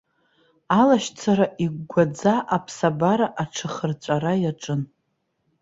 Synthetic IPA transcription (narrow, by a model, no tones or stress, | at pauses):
alaʃt͡sʰaɾaʔiɡɡʷad͡zaʔapʰsabaɾaʔaʈ͡ʂʰɨχərt͡ɕʷʼarajaʈ͡ʂʼɨn